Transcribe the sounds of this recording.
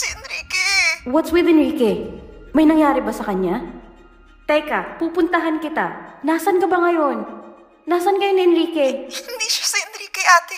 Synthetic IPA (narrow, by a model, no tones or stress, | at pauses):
sɛɛnɾiːkɛwɐt̪swɪðɪnɹiːkɛmɐjnɐŋjaːɾɪbɐsɐkɐɲa | t̪ɛjkɐpuːpʊnt̪ɐɦankɪt̪anaːsɐnkɐbɐŋɐjo̞nː | aːsɐnkɐjonɪɛnɾiːkɛɪɪnd̪iːʃḁsɐɪnɾikɛʔaːt̪ɪ